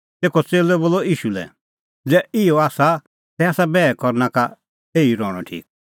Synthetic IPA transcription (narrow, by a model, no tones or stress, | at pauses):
t̪eːkʰɔt͡seːlɛboːlɔiːʃulɛ̰ | d͡zɛːɪɔaːsa | t̪ɛaːsabɛːɛkɔɾnaka | eːiɾɔːɽ̃ɔ̰ʈʰḭːk